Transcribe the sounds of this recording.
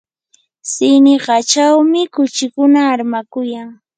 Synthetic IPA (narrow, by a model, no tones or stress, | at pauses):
sɪnɪɢɑt͡ʃawmɪkʊt͡ʃɪkʊnaːɾmakʊjaŋ